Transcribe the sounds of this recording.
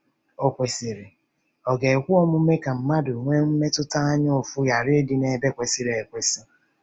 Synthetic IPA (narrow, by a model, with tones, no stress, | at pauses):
o˨kʷe˨si˨ɾe˨ | ɔ˨ɡe˨e˨kʷʊ˦ɔ˦mʊ˦me˦ka˨m̩˦ma˦dʊ˨ŋʷe˦m̩˦me˦tʊ˦ta˦a˦ɲ˦o˨fʊ˦ja˨ɾɪ˦dɪ˨ne˨˦be˦kʷe˨si˨ɾe˨e˨kʷe˨sɔ˦